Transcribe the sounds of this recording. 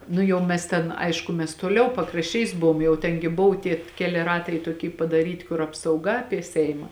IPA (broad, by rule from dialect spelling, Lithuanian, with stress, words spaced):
ˈnʊ jɛʊ mʲɛs ˈtʲɛn ˈɐɪʃkʊ mʲɛs toːˈlʲɛʊ pɐkrɐʃʲˈt͡ʃʲɛɪs ˈbʊʋoːm jɛʊ ˈtʲɛn ɡʲɪ ˈbʊʋʊ ˈtʲiɛ ˈkʲæːlʲɪ ˈrɑːtɐɪ toːˈkʲiː pɐdɐˈrʲiːtʲɪ kʊr ɐpsɐʊˈɡɐ ˈɑːpʲiɛ ˈsʲɛɪmɐ